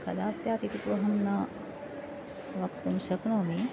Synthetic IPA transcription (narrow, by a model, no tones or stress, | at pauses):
kɐd̪aːsjaːt̪it̪ut̪uʋɐɦɐnːɐ | ʋɐkt̪umʃɐknɐʋɐmiː